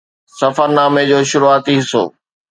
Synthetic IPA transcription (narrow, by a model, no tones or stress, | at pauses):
sɐfəɾnaːmed͡ʑoːʃʊɾuaːt̪iɦɪso̰ː